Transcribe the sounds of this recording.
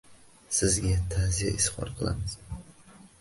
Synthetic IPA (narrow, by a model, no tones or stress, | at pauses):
sɪzɡʲat̪ʰazija̰ʔɪsχɒ̰ɾqʰɨlˠa̰mɪz̥